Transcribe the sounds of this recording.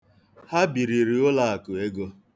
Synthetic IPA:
ha˦bi˨ɾi˨ɾi˨ʊ˦la˦˨a˨kʊ˨e˦ɡo˦

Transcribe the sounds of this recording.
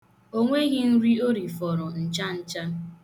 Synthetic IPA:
o˦ŋʷe˦ɣɪ˦n̩˦ɾi˦o˦ɾi˨fɔ˨ɾʊ˨n̩˨t͡ʃa˦n̩˦t͡ʃa˦

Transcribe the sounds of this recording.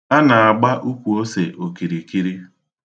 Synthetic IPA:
a˦na˨a˨ɡ͡ba˦ʔu˦kʷu˨o˦se˨ʔo˨ki˨ɾi˨ki˦ɾi˦

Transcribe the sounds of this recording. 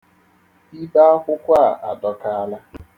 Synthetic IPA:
i˦ba˦a˦kʷʊ˦kʷa˦˨ʔa̰˨dɔ˦ka˦a˦la˦

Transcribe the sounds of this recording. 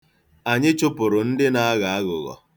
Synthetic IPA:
a˨ɲɪ˦t͡ʃʊ˦pʊ˨ɾʊ˨n̩˦dɪ˦na˨a˦ɣa˨a˦ɣʊ̰˨ɣɔ̰˨

